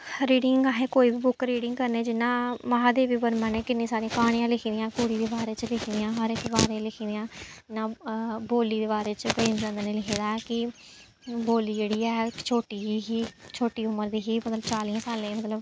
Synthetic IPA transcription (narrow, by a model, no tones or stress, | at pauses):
ɾiːɽɪŋɡaːɦeːkoːiːbiːbʊkɾiːɖɪ̃ŋɡkəɾneːd͡ʒɪnːãːmaːɦãːd̪eːʋiːbəɾmə̃ːnẽːkɪnːẽːsaːɾĩãːkaːɽ̃ijãːlɪkʰiːd̪ɪjãːkoːɽiːd̪eːbaːɾeːt͡ʃlɪkʰid̪ijãːɦɔɾɪkbaːɾeːlɪkʰiːd̪ɪjãːɪnãːboːliːd̪eːbaːɾeːt͡ʃpẽːmd͡ʒə̃nd̪neːlɪkʰeːd̪aːɛkɪ | boːliːd͡ʒeːɽiːɛːt͡ʃʰoːʈiːiɦiːt͡ʃʰoːʈiːʊməɾd̪iːɦiːmət̪ləbt͡ʃaːliːãːsaːlẽːmət̪ləb